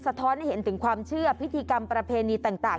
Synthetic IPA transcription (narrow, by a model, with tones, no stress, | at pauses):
sa˧t̪ʰɔː˦˥nha˥˩jhe˩˦nt̪ʰɯ˩˦ŋkʰwaː˧mt͡ɕʰɯ˥˩ɐpʰi˦˥t̪ʰiː˧ka˧mpɾa˧pʰeː˧niː˧t̪aː˨˩ŋt̪aː˨˩